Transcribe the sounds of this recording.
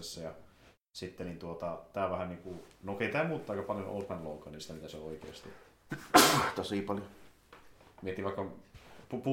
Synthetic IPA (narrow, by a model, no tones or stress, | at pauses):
esːɑjɑ | sit̪ːenint̪uot̪ɑt̪æːʋæhæniːŋkunokeˑit̪æːmuːt̪t̪ɑˑikːɑpɑljonʔo̰ːt̪mænloˑukɑninsi̥t̪æmit̪æseooikḛːst̪ḭ | t̪osiˑpɑljo | miet̪iʋɑˑikːɑpupu